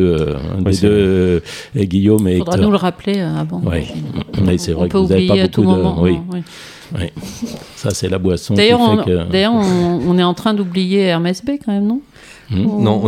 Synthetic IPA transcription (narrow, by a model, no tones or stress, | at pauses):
ød̪ed̪ø | ɡʲijomefd̪ʁanuləʁapleøavɑ̃wḭiwisɛvʁɛkpøuzaveijpaeaok̪umdɔm̃wiwi | wḭ | sasɛlabwasɔ̃d̪ajœʁɔ̃kød̪ajœʁɔ̃ːnɛɑ̃t̪χɛ̃d̪ublijeɛʁmɛsbekɑ̃mɛmnɔ̃ | m̩nɔ̃